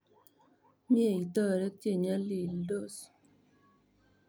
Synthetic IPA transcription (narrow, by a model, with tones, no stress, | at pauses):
mje˦˨i˨t̪ɔ˦˨ɾɛ˦k̚tje˦˨ɲa˦li˨ldo˦˨s